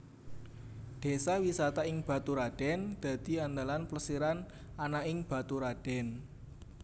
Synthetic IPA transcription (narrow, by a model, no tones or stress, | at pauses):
ɖ̪̥e̤sawisat̪aɪŋb̥ä̤t̪uɾaɖ̥ɛnd̪̥ä̤d̪̥i̤and̪alanpləsiɾan | anaɪŋb̥a̤t̪uɾaɖ̥ɛn